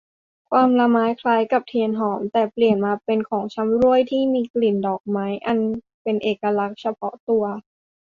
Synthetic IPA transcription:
kʰwaː˧mla˧maː˦˥jkʰlaː˧˥jka˨˩p̚t̪ʰi˧ənɦɔː˩˦mt̪ɛː˨˩pli˨˩ənmaː˧pe˧nkʰɔː˩˦ŋt͡ɕʰa˦˥mɾu˥˩əjt̪ʰiː˥˩miː˧kli˨˩ndɔː˨˩k̚maː˦˥jʔa˧n | pe˧nʔeː˨˩kːa˧la˦˥k̚t͡ɕʰa˧pʰɔ˦˥t̪u˧ɐ

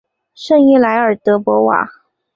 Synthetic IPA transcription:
ʂə˥˧ŋi˥˩la˧˥ɪə˞˨˩t̪ɤ˧˥pwɔ˧˥wa̰˨˩˦

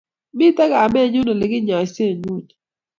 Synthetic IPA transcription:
mɪ˦ta˦kaː˨mɛ˦˨ɲʊ˦no˨lɪ˨ɡɪ˦ɲɔ˨ɪ˨se˦˨ɲu˦˨t͡ʃ

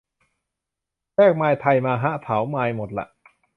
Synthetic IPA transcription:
ɾɛː˥˩k̚maː˧jt̪ʰa˧jmaː˧ɦa˦˥t̪ʰa˩˦wmaː˧jmo˨˩t̪̚la̰˨˩ʔ

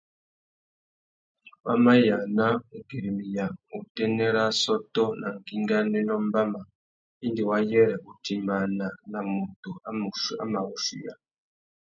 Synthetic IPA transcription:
wa̰˦ma˦ja˨na˦u˨ɡi˨ɾi˨mi˨ja˨u˨tɛ˦nɛ˦ɾa˦sɔ˦tɔ˦na˨ŋ˨ki˦ŋɡa˦nɛ˦nɔ˦m˦ba˦ma˨ | i˦ndi˨wa˦jɛ˦ɾɛ˨u˨ti˨ma˨na˨na˨mu˨tu˨a˦m˨a̰˦ma˨u˨ʃḭ˨ja̰˨

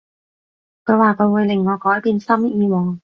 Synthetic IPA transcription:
kʰɵ˨˧jwaː˨˩kʰɵ˨˧ɥwuː˨˧jlɪ˨˩ŋːɔː˨˧kɔː˨˥jpiː˧nsɐ˥m˥iː˧wɔː˨˩ŋ

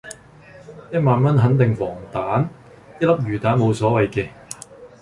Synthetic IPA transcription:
jɐ˥t̚maː˨nmɐ˥nɦɐ˨˥nt̪ɪ˨ŋfɔː˨˩ŋt̪aː˨˥n | jɐ˥t̚lɐ˥p̚jyː˨˩t̪aː˨˥nmo˨˧wsɔː˨˥wɐ˨jkɛː˧

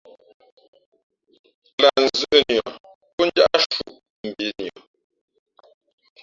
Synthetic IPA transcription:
la˨n̩˨zə˦ʔə˦njɔ˨ | ku˦n˦d͡ʒa˦ʔa˦ʃu˨ʔ | m̩˨bi˨˦njɔ˨

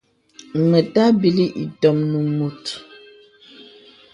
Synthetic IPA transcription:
ŋə˨ta˦bi˨li˦ʔḭ˨tɔ˨mnu˨mu˨t

